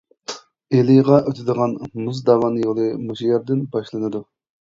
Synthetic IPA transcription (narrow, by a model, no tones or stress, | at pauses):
eliʁɑʔøt̪ʰɪd̪əʁɑnmuzd̪ɑwɑnjolˠɨmuʃijɑɾd̪ɪnbɑʃlˠɨnɨd̪u